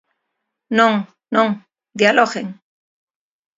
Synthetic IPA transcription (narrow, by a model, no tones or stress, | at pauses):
nõŋ | nõŋ | d̪jaloɣeŋ